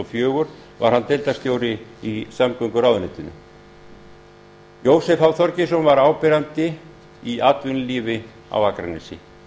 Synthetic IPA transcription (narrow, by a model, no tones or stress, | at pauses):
ɔfjœːɣʏɾ̥ | va̰ɾ̥hant̪ɛlt̪ast̪joːwɾɪisamkʏŋkʏɾaːwðʏnɪt̪ɪnʏ̰ | joːwsɛfawθɔɾcɪsɔnvaɾaːwpɛɾant̪ɪ | iaːt̪vʏnliːvɪ | a̰wakɾa̰nɪ̰sɪ̰